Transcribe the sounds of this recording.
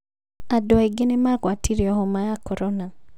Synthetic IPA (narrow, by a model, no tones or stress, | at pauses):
adɔiɡɪnɪmaɡwatiɾjɔɦɔmajakɔɾɔna